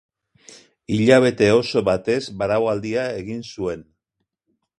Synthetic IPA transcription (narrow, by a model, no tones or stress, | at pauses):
iʎaβ̞e̞t̪e̞o̞so̞βat̪e̞zbaɾawald̪iae̞ɣinsue̞n